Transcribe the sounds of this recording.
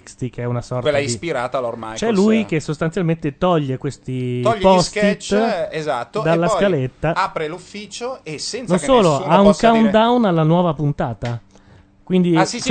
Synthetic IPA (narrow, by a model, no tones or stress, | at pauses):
kst̪ikeɛunasɔrtelaispiɾaːt̪alorma̰jt͡ʃɛlːujk̟esːost̪ansjalment̪et̪ɔʎːekwest̪iɔʎːpɔstit̪ezat̪ːod̪alːaskalet̪ːaaːpɾelufːiːt͡ʃoesɛnt̪nõnsoːloauŋkand̪awnalːanwɔːvapunt̪aːt̪a | kwind̪i